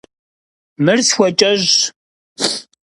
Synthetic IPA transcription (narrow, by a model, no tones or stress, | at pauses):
mɨrsxʷɔt͡ʃʼɐʑ